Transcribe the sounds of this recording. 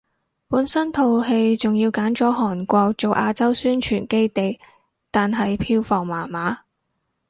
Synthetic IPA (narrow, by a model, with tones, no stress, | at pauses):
puː˨˥nsɐ˥nt̪ʰo˨˧wɦe˧jt͡sʊ˨ŋjiː˧wkaː˨˥nt͡ʃɔː˨˥ɦɔː˨˩nkʷɔː˧k̚t͡so˨wʔaː˧t͡sɐ˥wsyː˥nt͡ʃʰyː˨˩nke˥jt̪e˨j | t̪aː˨nɦɐ˨jpʰiː˧wfɔː˨˩ŋmaː˨˩maː˨˥